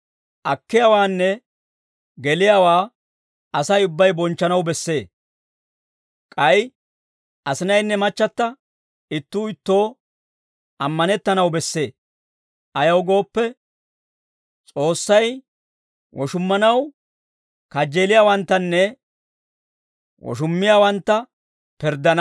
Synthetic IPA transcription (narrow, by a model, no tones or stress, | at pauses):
ʔɐkːɪjaːwaːnːɛ | ɡɛlɪjaːwaː | ɐsɐjʊbːɐjbɔnt͡ʃːɐnɐwbɛsːe̞ː | kʼɐj | ʔɐsɪnɐjnːɛmɐt͡ʃːɐt̪ːɐ | ɪt̪ːuːɪt̪ːo̞ː | ɐmːɐnɛt̪ːɐnɐwbɛsːe̞ː | ʔɐjɐwɡo̞ːpːɛ | t͡sʼo̞ːsːɐj | wʔɔʃʊmːɐnɐw | kɐd͡ʒeːlɪjaːwɐnt̪ːɐnːɛ | wɔ̰ʃ̬ʊmːɪjaːwɐnt̪ːɐ | pɪɾd̪ːɐn